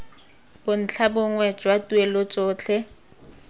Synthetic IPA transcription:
b̥ʊn̩t͡ɬʰabʊŋwɛd͡ʒwatʼuelot͡sʼoːt͡ɬʰɛ

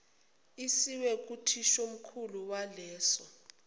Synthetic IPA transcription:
isiwɛk̬ʼutʰiʃom̩kʰuluwalɛːsɔ

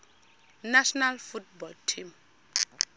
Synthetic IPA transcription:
naʃɔnalfut̚bɔltʰim

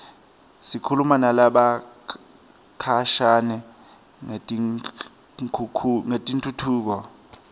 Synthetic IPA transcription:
sikʰulumanalaɓa | kʰaʃanɛ | ŋtʼ | kʰːŋetʼintʰʼutʰuːk̬ɔ

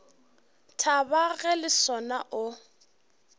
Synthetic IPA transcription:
tʰabaɣɛlɪsɔnaʔʊ

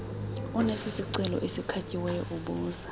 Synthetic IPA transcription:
unesisiǀɛlɔ̰ʔesikʰacʼiwɛjɔʔuɓuːza

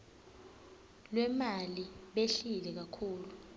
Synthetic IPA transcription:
lwɛmaliɓeɬilɛk̬akʰuːlu

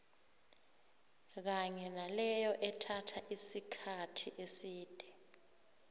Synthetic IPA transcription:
k̬aɲɛnalɛjɔʔɛtʰatʰaʔisikʰatʰiʔesiːd̥ʱɛ

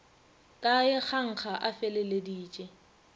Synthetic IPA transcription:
kʼaɪk͡xʰaŋ̩k͡xʰaʔafɛlelediːt͡ʃʼɛ

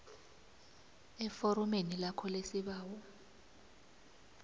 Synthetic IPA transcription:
ɛfoɾɔmenilakʰɔlesiɓaːwɔ

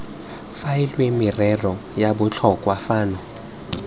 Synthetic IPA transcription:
fajilwimɪrɛrɔjabʊt͡ɬʰɔkʼwafaːnɔ

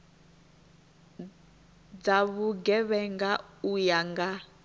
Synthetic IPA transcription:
d͡zaβuɡɛβɛŋɡaujaŋɡa

